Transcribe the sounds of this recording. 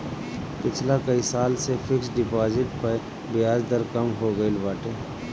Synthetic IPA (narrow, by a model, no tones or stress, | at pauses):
pɪt͡ʃʰlakɐisaːlsefʰɪksɖɪpaːzɪʈpə | bɪjaːzd̪əɾkɐmɦoɡɐilʋaːʈeː